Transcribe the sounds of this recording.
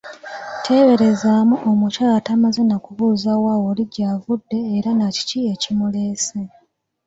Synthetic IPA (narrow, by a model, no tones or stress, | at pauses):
tʰe̞ːβe̞ɾe̞zaːmuʔomucaːlatamazenakuβuːzawawo̞ːliɟaːvudːe̞ːɾanaci̥ciecimuleːse